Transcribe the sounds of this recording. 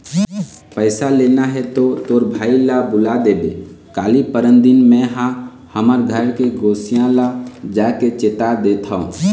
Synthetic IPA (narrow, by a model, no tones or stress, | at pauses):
pəɪsaleːnaɦɛt̪ot̪oːɾbʱaːilabʊlad̪eːbḛ | kaːlipəɾənd̪ɪnmɛ̃ɦã | həməɾɡʱəɾkeɡoːsijãlad͡ʒaːket͡ʃeːt̪ad̪et̪ʰaõ̰